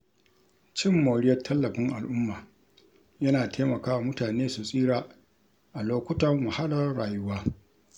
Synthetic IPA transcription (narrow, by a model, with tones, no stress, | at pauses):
t͡ʃɪ˦mːoː˨ɽɪ˦jɐ˦rtʰːɐ˦lːɐ˨ɸɪ˦ŋʔa˨lʔʊ˦mːaː˨ | jɐ˦naː˨tʰeː˦mɐ˨kaː˦wa˨mʊ˦taː˨neː˦su˨sʼiː˦ɽaː˨ | ʔa˨loː˦kʷʊ˦tɐ˦rmʊ˨ha˦lɐ˦rːaː˨jʊ˦waː˦